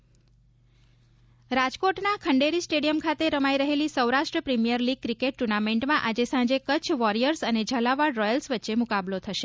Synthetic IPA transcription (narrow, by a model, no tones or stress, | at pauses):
ɾad͡ʒkoʈnakʰəɳɖeɾisʈeɽijəmkʰat̪eɾəmajɾəɦelisəwɾaʃʈɾəpɾimijəɾliɡ̚kɾikeʈ̚ʈuɾnameɳʈmãʔad͡ʒesãd͡ʒekət͡ʃʰʋɔɾijəɾsəned͡ʒʱəlaʋaɽːɔjəlsʋətːʃemʊkablot̪ʰəʃe̥